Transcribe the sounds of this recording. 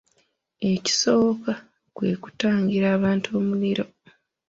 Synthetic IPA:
e̞ci̥so̞βoka | kwe̞ːku̥taːɲɟiɾaːβaːntuo̞ːmuliɾo̞

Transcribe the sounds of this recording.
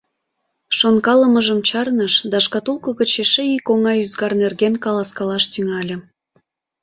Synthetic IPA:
ʃonkɑləməʒəmt͡ɕɑrnəʃd̪ɑʃkɑt̪ulkə̆ɣət͡ɕeʃeikoŋɑyzɡɑrnerɣenkɑlɑskɑlɑʃt̪yŋɑlʲə̆

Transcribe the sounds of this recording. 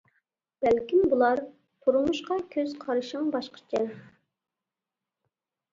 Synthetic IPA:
b̥ɛlkʲimbulˠɑɾ | t̪ʰuɾumuʃqɑkʲʰøzqʰɑɾɨʃəŋbɑʃqʰə̥t͡ʃʰɪ

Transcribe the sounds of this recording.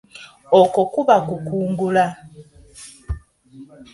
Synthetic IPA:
okokuβakukuːŋɡula

